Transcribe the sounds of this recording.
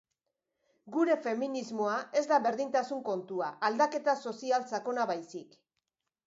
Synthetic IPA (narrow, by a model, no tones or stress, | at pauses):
ɡuɾe̞fe̞minizmo̞aʔe̞zd̪aβe̞ɾðint̪asuŋko̞nt̪uaʔːld̪ake̞t̪aso̞sialt͡sako̞naβajsik